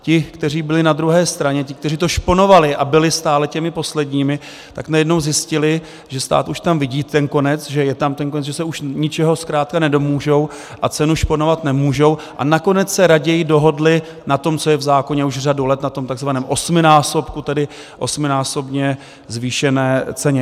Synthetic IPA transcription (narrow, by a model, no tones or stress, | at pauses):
cɪkt̪ɛr̝iːbɪlɪnad̪ɾuɦɛːst̪ɾaɲɛcɪk̚t̪ɛriːt̪o̞ʃpo̞no̞valɪʔabɪlɪst̪aːlɛcɛmɪpo̞slɛdɲiːmɪ | t̪aknajɛdno̞wzjɪscɪlɪ | ʒɛst̪a̰ːt̪uʃt̪amvɪɟiːt̪ɛnko̞nɛt͡sʒɛjɛt̪amt̪ɛnk̬onɛt͡sʒɛsɛuʃɲɪt͡ʃɛɦo̞skɾaːt̪̚kanɛdo̞muːʒo̞w | ʔat͡sɛnuʃpo̞no̞vat̪nɛmuːʒo̞wʔa̰nako̞nɛt͡ssɛɾaɟɛjɪdo̞ɦo̞dlɪ | nat̪o̞mt͡so̞jɛvzaːko̞ɲɛuʒr̝adulɛt̪nat̪o̞mt̪aɡzvanɛːmʔo̞smɪnaːso̞pkut̪ɛdɪ | ʔo̞smɪnaːso̞bɲɛ | zviːʃɛnɛːt͡sɛɲɛ